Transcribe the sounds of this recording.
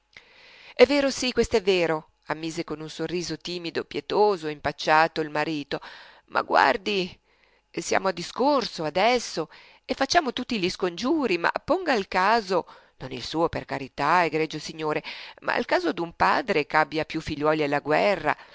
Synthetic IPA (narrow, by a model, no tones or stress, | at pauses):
ɛvːeːɾosikːwest̪oɛvːeːɾo | amːiːzekonunsorːiːzot̪iːmid̪opjet̪oːzoimpat͡ʃːaːt̪oilmaɾiːt̪o | mʔa̰ɡwa̰rd̪i | sja̰ːmoad̪ːiskorsoad̪ɛsːo | efːat͡ʃːaːmot̪ut̪ːiʎiskond͡ʒuːɾima̰pːoŋɡalkaːzo | nonilsuːoperkaɾit̪aeɡɾɛd͡ʒosiɲːoːɾemʔa̰a̰lkaːzod̪umpa̰ːd̪ɾekabːjapjufːiʎːwɔːlialːaɡwɛrːa̰